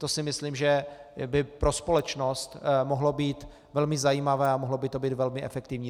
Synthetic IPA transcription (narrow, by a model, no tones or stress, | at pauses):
t̪o̞sɪmɪslimʒɛbɪpɾo̞spo̞lɛt͡ʃno̞st̪moɦlo̞biːt̪ | vɛlmɪzajiːmavɛːamoɦlo̞bɪt̪o̞biːt̪vɛlmɪʔɛ̰fɛkt̪ɪvɲiː